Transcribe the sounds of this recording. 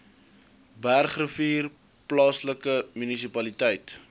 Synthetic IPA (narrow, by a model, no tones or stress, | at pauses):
bærχrəfiːr | plɑːsləkəmynis̬ipɐlitɛjt